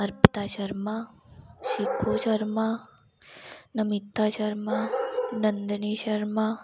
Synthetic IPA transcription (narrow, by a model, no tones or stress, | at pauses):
ɐɾpit̪aːʃɐɾmaʃikʰːuːʃɐɾma | nɐmit̪ːaːʃɐɾmanɐnd̪əniːʃɐɾma